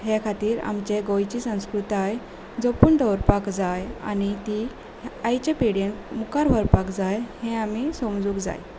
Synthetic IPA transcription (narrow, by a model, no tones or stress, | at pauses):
ɦekʰat̪iːɾa̰mt͡ɕeɡojt͡ɕisə̃w̃skɾut̪aj | d͡zopuːɳd̪ɔwɾpakd͡zaja̰nit̪i | ajt͡ɕapiɽjenmukaɾʋəɾpakd͡zajhɛ̃amisõmd͡zuːkd͡za̰j